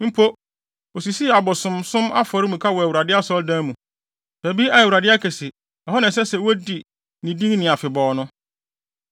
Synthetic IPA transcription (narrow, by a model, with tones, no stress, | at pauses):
m̩˦pʰo˦ | o˨si˨si˦a˨bɔ˨sʊ̃˨msʊ̃˦ma˦fɔ˨ɾɪ˦mũ˨kʰa˦wɔ˨æ˨wu˨ɾa˨dɪ˦a˦sɔ˦dã˦mũ˨ | b̥æ˨bi˦a˨ɛ˨wu˨ɾa˨dɪ˦a˦kʰɛ˨sɪ˨ | ɛ˨ɦɔ˦nã˨sɛ˦sɛ˨wæ˦di˨ | nɪ̃˨dĩ˦ŋnɪ̃˨a˨fɪ˨bɔː˨nʊ̃˦